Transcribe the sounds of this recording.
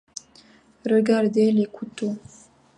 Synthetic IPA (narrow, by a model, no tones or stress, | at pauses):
ɾəɡaɾd̪elekʰut̪u